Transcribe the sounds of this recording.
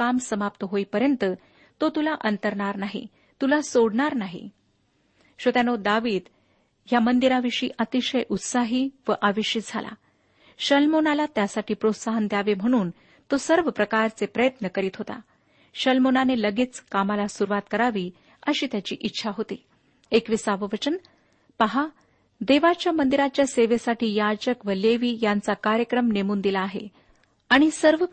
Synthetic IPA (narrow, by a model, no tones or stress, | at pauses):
amsəmap̚t̪əɦoipəɾjənt̪ə | t̪ot̪ulaʔənt̪əɾɳaɾnaɦḭ | t̪ulasoɽɳaɾnaɦḭ | ɕot̪janod̪aʋiːd̪ | ɦjamənd̪iɾaʋiʂḭːʔət̪iɕəjʔut̪saɦiːʋəʔaʋiʂit̪̚d͡zʱalʔa̰ | ɕəlmonalat̪jasaʈiːpɾot̪saɦənd̪jaʋem̤əɽ̃uːn | t̪osəɾʋəpɾəkaɾt͡sepɾəjət̪nəkəɾiːt̪ɦot̪a̰ | ɕəlmonaneləɡiːt͡skamalasuɾʋat̪kəɾaʋiː | əɕiːt̪jat͡ɕḭːʔitːɕʰaɦot̪ḭː | ekʋisaʋəʋət͡ɕən | paɦa | d̪eʋat͡ɕjamənd̪iɾat͡ɕjaseʋesaʈʰiːjad͡ʑəkʋəleʋiːjant͡sakaɾjəkɾəmnemuːnd̪ilaːɦḛ | aɽ̃isəɾʋə